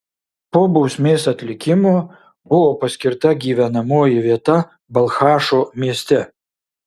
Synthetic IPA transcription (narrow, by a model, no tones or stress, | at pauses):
poːbɐʊsʲmʲeːsɐt̪ʲlʲɪkʲɪmoː | bʊʋopɐsʲkʲɪɾt̪ɐɡʲiːʋʲɛnɐmoːjɪʋʲiɛt̪ɐ | bɐlˠxɑːʃoːmʲiɛsʲt̪ʲɛ